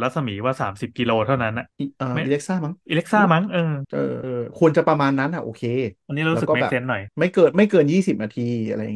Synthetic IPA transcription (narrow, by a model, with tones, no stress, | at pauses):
ɾa˦˥sa˧miː˩˦waː˥˩saː˩˦msi˨˩p̚ki˧loː˧t̪ʰa˥˩wna˦˥nʔa˨˩i˧ʔɤː˧˩ʔiː˧le˦˥k̚saː˥˩ma˦˥ŋʔi˧le˦˥k̚saː˥˩ma˦˥ŋʔɤː˧ʔɤ̰ː˧ʔɤː˧kʰu˧ənt͡ɕa˨˩pɾa˧maː˧nːa˦˥nʔa˨˩ʔoː˧˩kʰeː˧ʔa˧nːiː˦˥a˧u˦˥ɯ˨˥ɔː˥m˦˩ɛ̰ː˨˩se˦˥nːɔ˨˩jma˥˩jkɤː˧nma˥˩jkɤː˧njiː˥˩si˨˩p̚naː˧t̪ʰiː˧ʔa̰˧ɾa˧ja̰˨˩˨